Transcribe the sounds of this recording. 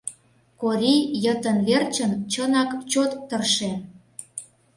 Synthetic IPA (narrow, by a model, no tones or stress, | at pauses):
koɾʲijə̆t̪ə̆nβert͡ɕənt͡ɕənɑkt͡ɕot̪ːərʃe